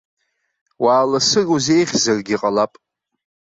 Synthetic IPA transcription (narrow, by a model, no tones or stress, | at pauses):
waːlasɨruze̞jʁʲzarɡʲiqʼalapʼ